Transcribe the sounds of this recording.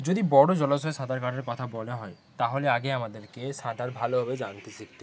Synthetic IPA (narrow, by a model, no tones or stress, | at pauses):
d͡ʑod̪ibɔɽod͡ʑɔlasɔesãd̪aɾkaʈaɾkɔt̪ʰabɔleɦɔe | t̪aɦoleaɡeamad̪eɾkesãd̪aɾbʱalobʱabed͡ʑant̪isikt̪i